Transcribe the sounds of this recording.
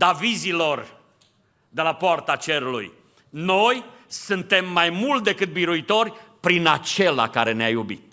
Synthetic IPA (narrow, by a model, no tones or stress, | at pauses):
d̪avizilo̞r | d̪e̞lapoart̪at͡ʃe̞ɾulṵj | no̞jsunt̪e̞mːajmult̪̚d̪e̞kɨt̪̚biɾuit̪o̞rʲpɾinat͡ʃe̞la̰kaɾe̞neajubḭt̪̚